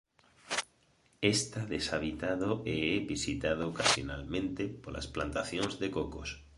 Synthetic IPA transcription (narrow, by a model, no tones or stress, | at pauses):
est̪aðesaβ̞it̪aðoʔeebisit̪að̞okasjona̰lmẽnt̪epolʔa̰splant̪aθjonzðekokos